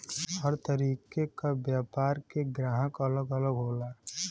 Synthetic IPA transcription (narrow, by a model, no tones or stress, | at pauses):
həɾt̪əɾiːkekabjaːpaːɾkeɡɾaːɦəkɐləɡələɡɦoːlaː